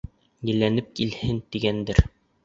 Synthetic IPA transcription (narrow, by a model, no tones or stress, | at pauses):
jɘ̆lːænɘp̚kilhɘnt̪iɡænd̪ɘɾ